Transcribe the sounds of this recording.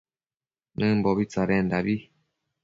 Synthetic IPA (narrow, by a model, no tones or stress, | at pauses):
mɛm̩bɔbit͡saɾɛn̩dabi